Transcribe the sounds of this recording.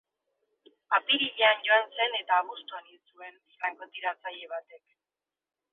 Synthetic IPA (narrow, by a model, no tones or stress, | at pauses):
apiɾiɣeanɟo̞anse̞ne̞t̪aːβust̪uaninsue̞n | raŋkot̪iɾat͡saʎe̞β̞at̪e̞k